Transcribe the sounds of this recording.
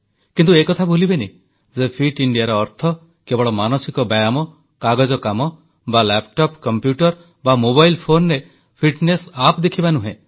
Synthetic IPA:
kint̪uekɔt̪ʰabʱulibeni | zepʰiʈiɳɖijaɾɔːɾt̪ʰɔ | kebɔɭɔmanɔsikɔbajamɔ | kaɡɔd͡ʒɔkamɔ | balɛpʈɔpkɔmpjuʈɔɾ | bamobajlpʰonɾe | pʰiʈnesapd̪ekʰibanuɦẽ

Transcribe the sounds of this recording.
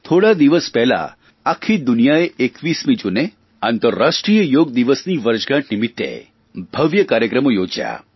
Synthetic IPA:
t̪ʰoɽad̪iʋəspɛɦla̰ | akʰid̪unijaeekʋismid͡ʒune | ant̪əɾːaʃʈɾijəjoɡd̪iʋəsniʋəɾd͡ʒɡãʈnimit̪ːḛ | b̥ʱəʋjəkaɾjəkɾəmojod͡ʒja̰

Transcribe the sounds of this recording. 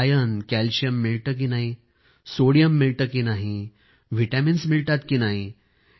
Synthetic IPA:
jənkælɕijəmːiɭʈ̪ək̬inaɦi | soɽijəmːiɭʈ̪əkinaɦi | ʋiʈaminsmiɭʈ̪at̪kinaɦi

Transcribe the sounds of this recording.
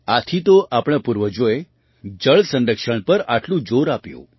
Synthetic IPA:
at̪ʰit̪oʔapɳ̃apuɾʋəd͡ʒoe | d͡ʑəɭsə̃nɾəkʂəɳ̃pəɾaʈlũd͡ʒoɾapjo̰

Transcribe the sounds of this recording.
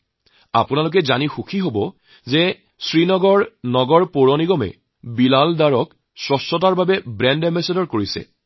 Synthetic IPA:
a̰pʊnalʊk̬ɛzanixukʰiɦobɔ | zɛ | sɹinɔɡɔɹnɔɡɔɹpoɹɔniɡɔmɛ̰ | bilaldaɹɔk | sɹɔsɔtaɹbabɛbɹɛndɛmɛsedɔɹkoɹisɛ̰

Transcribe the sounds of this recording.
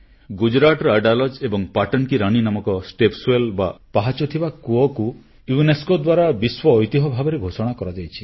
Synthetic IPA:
ɡud͡ʒɾaʈɔɾɔaɖalɔd͡ʒebɔŋpaʈɔnkiɾaɽ̃inamɔkɔsʈepsuelba̰paɦat͡ʃɔt̪ʰibakuɔku | juneskod̪waɾabiswɔːjt̪iɦɔbʱabɔɾeɡʱosɔɽ̃akɔɾad͡ʒajt͡ʃʰi̥

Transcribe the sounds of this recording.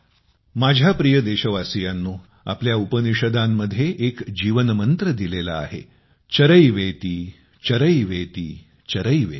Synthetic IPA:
mad͡ʑʱjapɾijəd̪eɕəʋasijanːuː | a̰pljaupəniʂəd̪amːəd̪ʱːjeʔekd͡ʑiʋənmənt̪ɾəd̪ilela̰ːɦḛ | t͡ɕəɾəjʋet̪iː | t͡ɕəɾəjʋet̪iː | t͡ɕəɾəjʋḛ

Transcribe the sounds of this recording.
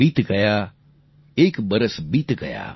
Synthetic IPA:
iːt̪ɡɐjaː | eːkbɐɾəsbiːt̪ɡɐ̰ja̰ː

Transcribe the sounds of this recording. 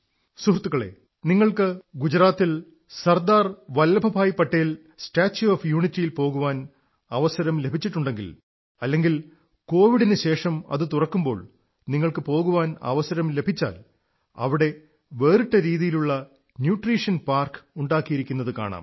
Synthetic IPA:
suɦrɐt̪ːuɣɐɭe̞̰ː | niŋːɐɭkɨɡud͡ʑɐɾaːt̪ːil | sɐrd̪aːrʋɐlːɐbʱɐbaːjpːɐʈːɐjil | sʈaːt͡ɕːuɐːfjuːɳitːijilpo̞ːɣuʋaːn | ɐʋɐsɐɾɐmle̞bʱit͡ɕːiʈːuɳɖe̞ŋɡḭl | ɐlːe̞ŋɡil | ko̞ːʋiɽinɨɕe̞ːʂɐmɐ̰ðɨt̪urɐkːumbo̞̰ːɭ | niŋːɐɭkɨpo̞ːɣuʋaːnɐ̰ʋɐsɐɾɐmle̞bʱit͡ɕːa̰ːl | ɐ̰ʋiɽe̞ | ʋe̞ːriʈːɐɾiːðijiluɭːɐ | njuːʈriːʂɐnpaːrkuɳɖaːkːijiɾikʲːunːɐðɨka̰ːɳa̰ːm

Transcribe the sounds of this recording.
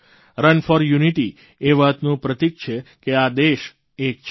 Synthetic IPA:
ɾənfɔɾjuniʈi | eʋəɦət̪nũpɾət̪ik̚t͡ʃʰekead̪eʃ | ek̚t͡ʃʰ

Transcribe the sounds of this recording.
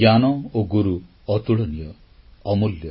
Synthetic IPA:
anɔoɡuɾu | ɔt̪uɭɔnijɔː | muljɔ

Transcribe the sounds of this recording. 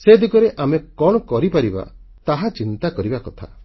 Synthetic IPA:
sed̪ikɔɾeʔamekɔɽ̃ɔkɔɾipaɾiba̰ | t̪aɦat͡ʃint̪akɔɾibakɔt̪ʰa̰

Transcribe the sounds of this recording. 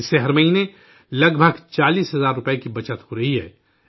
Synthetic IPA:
ɪsːeɦɐɾmɐɦine | lɐɡbʱəɡt͡ʃaːliːsɦɐzaːɾːʊpɛekibɐt͡ʃət̪hoɾɐɦiɦɛ̰ː

